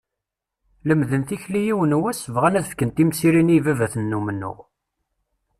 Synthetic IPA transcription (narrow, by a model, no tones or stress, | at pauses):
ləmðənθiçlijiwənwæsəvʁænæðəfkənt̪imsiɾinivævæθənːumənːṵʁ